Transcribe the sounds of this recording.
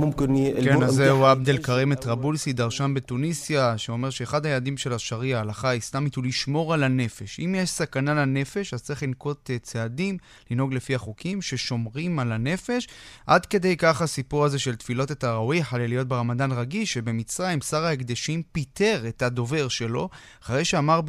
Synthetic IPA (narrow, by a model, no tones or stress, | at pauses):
knkenazːeuabd̪elkaʁemet̪ʁabulsid̪aʁʃanbe̞tunisjaʃeo̞me̞ʁʃeːχad̪ajeladimʃe̞laʃaʁiaːlaχaislamit̪uliʃmo̞ʁalane̞fe̞ʃimjeʃsakanalane̞fe̞ʃazt͡sɐʁiχlinko̞t̪t͡seadim | lino̞ɡle̞fiaχukʰimʃe̞ʃo̞mʁimalane̞fe̞ʃʔad̪ke̞de̞jkaχasipuʁaze̞ʃe̞lt̪filo̞tetaʁawiħalelijo̞t̚beʁamadanʁaɡiʃebe̞mit͡sʁaimsaʁaekd̪eʃimpite̞ʁe̞tado̞ve̞ʁʃelo̞ | aχaʁejʃeamaʁ